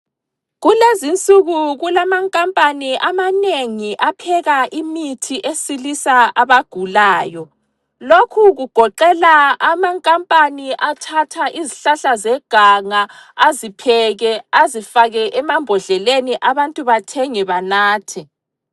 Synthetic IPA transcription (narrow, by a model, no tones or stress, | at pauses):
ɣulezint͡sʼuɣuɣulamaŋkʼampʼaniʔamaneŋiʔapʰɛɣaʔimitʰiʔesilisaaβaɡ̥ʱulaːjɔ | lokʰuɣuɡ̥ʱɔǃɛlaamaŋkʼampʼaniʔatʰatʰaʔiziɬaɬazɛɡ̥ʱaŋaːzipʰɛɣɛazifaɣɛʔɛmambʱɔɮɛleniʔaβantʼuβatʰɛŋɛβanaːtʰɛ